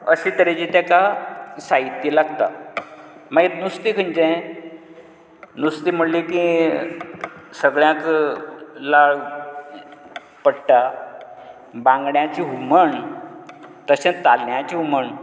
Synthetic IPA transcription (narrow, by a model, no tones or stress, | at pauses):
əɕĩt̪əɾed͡ʑit̪ɛkasaɦit̪ːilaɡt̪a | məɡet̪nust̪iːkʰənd͡ʑẽ | nust̪im̤əɽlikĩ | səɡɭjãk | laɭ | pəɽʈa | bãŋɡɳjat͡ɕiɦuməɳ | t̪əɕẽt̪alɳjat͡ɕiɦuməɳ